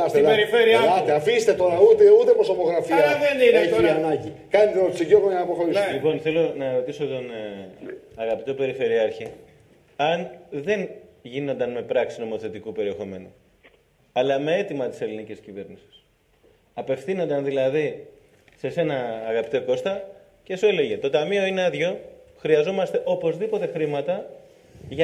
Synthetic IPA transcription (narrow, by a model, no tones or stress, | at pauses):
ɐst̪ibeɾifeɾiɐɐt̪eafist̪et̪o̞ɾɐut̪eut̪epɾosopoɣɾɐfilɐɐðeninoɐnɐɟi | kɐnit̪eot̪siʝoɣoɐnɐpoxoɾiselipo̞nθe̞lo̞nɐɾo̞t̪iso̞t̪o̞n | ɐɣɐpit̪o̞pe̞ɾife̞ɾiɐɾçi | ɐnðe̞nʝino̞nd̪ɐnme̞pɾɐksi̥zno̞mo̞θe̞t̪ikupe̞ɾie̞xo̞me̞nu | ɐlɐme̞e̞t̪imɐt̪i̥se̞liniciscive̞ɾnisi̥s | ɐpe̞fθino̞nd̪ɐnðilɐði | se̞se̞nɐːɣɐpit̪oko̞st̪ɐ | cesue̞le̞ʝe̞t̪o̞t̪ɐmio̞ineɐðʝo̞xɾiɐzo̞mɐst̪e̞ʔo̞po̞zðipo̞t̪e̞xɾimɐt̪ɐ | ʝɐ